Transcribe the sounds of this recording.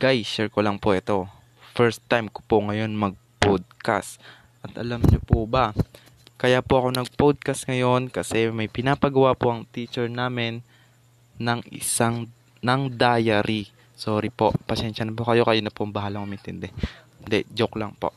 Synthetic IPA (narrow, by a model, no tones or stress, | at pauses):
ɡ̥ajsɛɹkolɐŋpoʔɛt̪o̞ | fɛɹst̪ːajmko̥poŋɐjo̞nmɐɡ̚pod̪̚ka̰st̪ | ʔɐt̪ʔɐ̰lamɲopʊbɐ | kɐjaːpoʔɐko̞nɐɡ̚pod̪̚kɐst̪̚ŋɐjo̞nkɐsɛmɐjpɪnaːpɐɡɐwapoʔɐŋt̪iːt͡ʃɛɹnaːmɪnː | ɐŋʔɪ̰saŋ | nɐŋd̪aːjɐɾi | soːɾipo̞ʔpɐʃɛnʃɐnɐpokɐjo̞kɐjʊnːɐpoɐŋbɐɦaːlɐŋʊmɐʔɛnt̪ɪnd̪ɛ | nd̪ɛd͡ʒoklɐŋpo̰ʔ